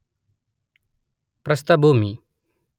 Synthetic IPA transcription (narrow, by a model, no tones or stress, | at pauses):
pɾɐst̪abomi